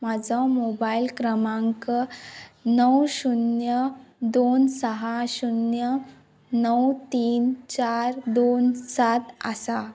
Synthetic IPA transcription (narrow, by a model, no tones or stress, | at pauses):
mad͡zʱɔmobailkɾəmãŋkə | nəwɕunjəd̪onsəɦaɕunjə | nəwt̪iːnt͡ɕaɾd̪onsat̪a̰sa